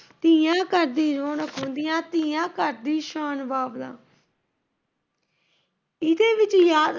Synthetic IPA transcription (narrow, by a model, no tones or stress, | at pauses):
t̪ɪːjãːkəɾd̪iːd͡ʒoːɳəkʰɦõːnd̪ijãːt̪iːjãːkəɾd̪iːʃaːnʋaːbd̪ã̰ː | ɪd̪eːʋɪt͡ʃjaːd̪